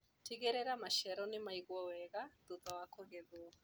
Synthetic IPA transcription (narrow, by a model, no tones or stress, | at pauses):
tʰiɣɛɾɛɾamaʃɛɾɔnimaiɣwɔwɛɣad̪uðawakʰɔɣɛðu